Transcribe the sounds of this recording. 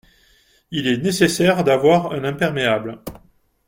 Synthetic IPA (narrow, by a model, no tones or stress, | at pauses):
ilɛnesesɛʁd̪avwaʁɛ̃nɛ̃pɛʁmeabl